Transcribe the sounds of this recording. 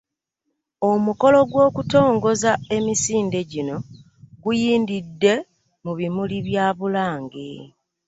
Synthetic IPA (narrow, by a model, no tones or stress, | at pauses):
omuko̞lo̞ɡwo̞ːkuto̞ːŋɡo̞zae̞misiːnde̞ɟino̞ | ɡujiːndidːe̞ | muβimuliβjaːβulaːŋɡḛ